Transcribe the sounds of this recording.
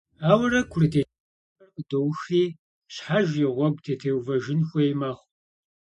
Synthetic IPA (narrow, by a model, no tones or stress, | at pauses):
aːwɐrɐkʷʰʊritʰeː | ɐrdowxiː | ɕħaʒjɪʁʷɔɡ̚ʷtʰeːtʰeːwvɐʒɪnxʷɔjmɐːχʷ